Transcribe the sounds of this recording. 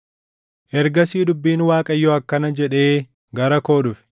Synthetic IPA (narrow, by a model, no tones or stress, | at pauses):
ʔɛɾɡɐsiːd̪ʊbːiːnwaːkʼɐjːɔɐkːɐnɐd͡ʒɛᶑe̞ː | ɡɐɾɐko̞ːᶑʊfɪ̥